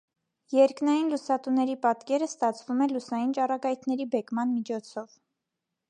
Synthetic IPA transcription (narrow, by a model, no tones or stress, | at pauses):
jɛɾknɑjinlusɑt̪unɛɾipɑt̪kɛɾəst̪ɑt͡sʰvumɛlusɑjint͡ʃɑrɑɡɑjt̪ʰnɛɾibɛkmɑnmit͡ʃʰɔt͡sʰɔv